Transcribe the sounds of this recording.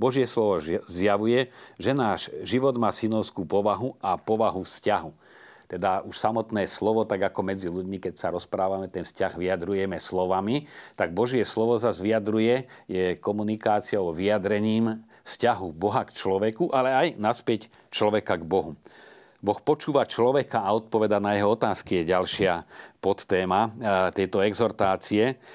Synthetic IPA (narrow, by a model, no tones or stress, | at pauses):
bɔʒɪɛslɔʋɔzjaʋujɛʒɛnaːʒʒiʋɔd̪maːsinɔʊskuːpɔʋaɦuapɔʋaɦufscaɦu | t̪ɛd̪aʔuʃsamɔt̪nɛːslɔʋɔt̪aɡakɔmɛd͡ziluɟmikɛcsaɾɔspɾaːʋamɛt̪ɛnfscaɣʋiad̪ɾujɛmɛslɔʋamit̪aɡ̚bɔʒɪɛslɔʋɔzazʋiad̪ɾujɛjɛkɔmunikaːt͡siɔʋiad̪ɾɛɲiːm | fscaɦubɔɦakt͡ʃlɔʋɛkuʔalɛajnaspɛc | t͡ʃlɔʋɛkaɡbɔɦu | bɔxpɔt͡ʃuːʋat͡ʃlɔʋɛkaːɔt̪̚pɔʋɛd̪anajɛɦɔɔt̪aːskijɛɟalʃɪapɔt̪ːɛːmat̪ɛjt̪ɔɛɡzɔɾt̪aːt͡siɛ